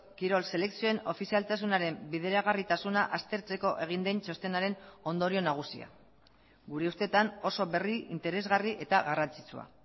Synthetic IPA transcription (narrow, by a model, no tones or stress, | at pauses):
kiɾo̞lse̞le̞ksio̞eno̞fisialt̪as̬unaɾe̞mbiðe̞ɾaɣ̞arit̪asunaʔast̪e̞ɾt͡se̞ko̞ʔe̞ɣ̞ind̪e̞nt͡ʃo̞st̪e̞naɾe̞no̞nd̪o̞ɾio̞naɣ̞usia̰ | ɡuɾe̞ust̪e̞t̪ano̞so̞βe̞riḭnt̪e̞ɾe̞zɣariʔe̞t̪aɣarant͡sit͡sua̰